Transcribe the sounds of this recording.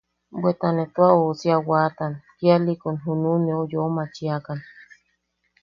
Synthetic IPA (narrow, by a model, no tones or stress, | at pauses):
bwet̪anet̪oaosiawat̪ankialikonɦununeojomat͡ʃiakan